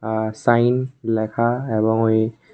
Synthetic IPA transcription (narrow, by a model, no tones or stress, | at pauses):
asajnlɛkʰaɛbɔŋoj